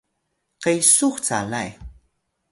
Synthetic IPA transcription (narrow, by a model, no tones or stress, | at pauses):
qajsuxt͡sa̰la̰j